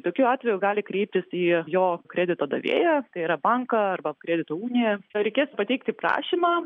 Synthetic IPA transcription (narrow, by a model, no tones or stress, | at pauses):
t̪oːkʲuːɑːt̪ʲʋʲɛjʊɡɑːlʲɪkɾʲɛɪp̚ʲt̪ʲɪsiːjoːkɾʲɛːd̪ʲɪt̪oːd̪ɐʋʲḛːjɛt̪ɐɪiːɾɐbɐŋkɐɐrbɐkɾʲæːd̪ʲɪt̪oːuːnʲɪjɛɾʲɛɪkʲeːspɐt̪ʲɛɪkt̪ʲiːpɾɑ̰ːʃʲiːmɑː